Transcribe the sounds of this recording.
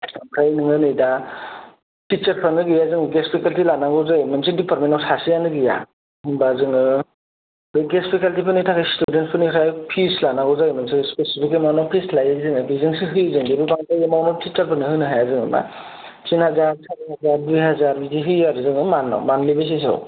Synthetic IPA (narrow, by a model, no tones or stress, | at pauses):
pʰɾajnɯŋɯnɯjda | tit͡ʃɐɾpʰanɯɡɯjazɯŋɯɡespʰikaltilanaɡɔwzajmɯnsidipaɾ̚mentɔwsasijanɯɡɯja̰ | hɯŋbazɯŋɯ | bɯɡespʰikaltipʰɯnitʰakʰajstudentpʰɯnikʰɾajpʰislanaɡɔwzajmɯnsɯspesipʰik̬emanɔpʰislajɯzɯŋɯbizɯŋsiɦɯjzɯŋbibɯbaŋtajemawnɔtʰit͡ʃɐɾpʰɯnɯhɯnɯɦajazɯŋɯ̰ma̰ | t͡ʃinhazaɾsatɦazaɾbiɦazaɾbiziɦɯaɾɯzɯŋɯmanɔ̰manlibas̬is̬ɯ̰w